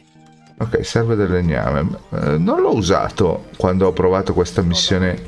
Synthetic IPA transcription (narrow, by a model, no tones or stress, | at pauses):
okːɛ̰jsɛrved̪elːeɲːa̰ːmḛnonlɔuza̰ːt̪o̰kwand̪oɔpːɾovaːt̪okwest̪amisːjoːne